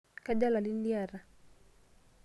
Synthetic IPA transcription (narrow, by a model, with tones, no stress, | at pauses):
ka˦da˦la˨li˦nli˦a˦˨ɾa˨